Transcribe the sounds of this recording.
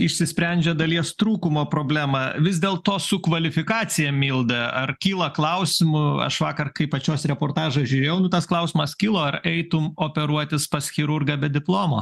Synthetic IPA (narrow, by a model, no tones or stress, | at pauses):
ɪʃʲsʲɪsʲpʲɾʲɛnʲd͡ʒʲɛd̪ɐlʲiɛst̪ɾuːkʊmoːpɾoːbʲlʲæːmɑʋʲɪzd̪ʲeːlˠt̪oːsʊkʋɐlʲɪfʲɪkɑːt͡s̪ʲɪjɛmʲiːlˠd̪ɐɐrkʲiːlˠɐklˠɐʊsʲɪmʊɐ̰ʃʋɑːkɐrkɐɪpɐt͡ʃʲoːsɾʲɛpoːrt̪ɑːʒɐsʒʲuːɾʲeːjɛʊnʊt̪ɐsklˠɐʊsʲɪmɐskʲiːlˠoːɐrɛɪt̪ʊmoːpʲɛɾuɔt̪ʲɪspɐsxʲɪɾʊrɡɐbʲɛd̪ʲɪplˠoːmoː